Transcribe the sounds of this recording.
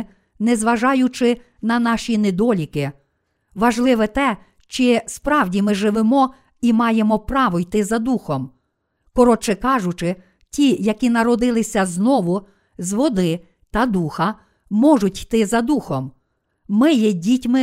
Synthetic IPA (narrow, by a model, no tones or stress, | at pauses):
nɛzʋɐʒɑjʊt͡ʃɪ | nɐnɑʃʲined̪ɔlʲikɪ | ʋɐʒlˠɪʋɛt̪ɛ | t͡ʃɪspɾɑwdʲimɪʒɪʋɪmɔ | imɑjemɔpɾɑʋɔjt̪ɪzɐd̪uxɔm | kɔɾɔt͡ʃɛkɑʒʊt͡ʃɪ | tʲijɐkʲinɐɾɔd̪ɪlˠɪsʲɐznɔʋʊ | zʋɔd̪ɪ | t̪ɐd̪uxɐ | mɔʒʊtʲjt̪ɪzɐd̪uxɔmː | ɪjɛdʲitʲmɪ